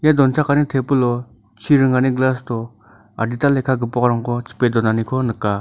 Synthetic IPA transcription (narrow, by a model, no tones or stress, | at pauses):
jad̪ont͡sʰaχkanit̪ʰepəlo | t͡ɕʰiɾəŋaniɡlast̪o | ard̪it̪alekʰak̬əpoχraŋkot͡ɕʰə̥peɦd̪onanikʰonəkːa